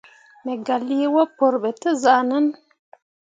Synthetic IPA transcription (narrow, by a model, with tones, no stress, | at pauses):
me˨ɡa˨li˦wa˦po˨ɾbɛ˨tə˦za˨nə˦n